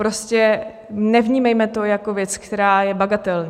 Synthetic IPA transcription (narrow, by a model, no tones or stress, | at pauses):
pɾo̞scɛ | nɛvɲiːmajmɛt̪o̞jako̞vjɛt͡skt̪ɛɾaːjɛbaɡat̪ɛlɲ